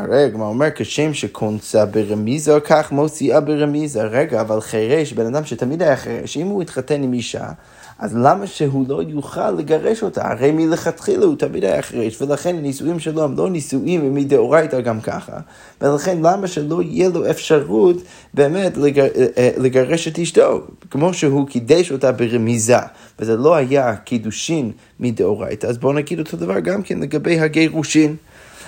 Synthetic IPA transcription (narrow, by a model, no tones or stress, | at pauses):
aʁeaɡmaʁomeʁkʰeʃemʃɛkʰont͡sabeʁemizakʰaχmosiabeʁemizaʁɛɡaːvalˠχeʁeʃbenadamʃətʰamidhajaχeʁḛʃimhuitχatenimiʃa̰ | ʔazlamaʃeɦulojuχa̰lːəɡaʁɛʃotʰa̰ha̰ʁejmiləχatχilˠutʰamidha̰ja̰χeʁeʃvəlaχenanisuimʃɛlohemlonisuʔimvəmideoʁajtaɡamkʰa̰χa̰ | velaχenlamaʃeloijɛloefʃaʁut | beːmetleleɡaʁeʃetiʃdo̰kmoʃeɦukʰidɛʃotabeʁemiza̰ | vezɛlo̞hajakʰiduʃimː | ideoʁa̰jtaːzbonaɡid̪otʰod̪avaʁɡamkɛnleɡabejɦaɡejʁuʃin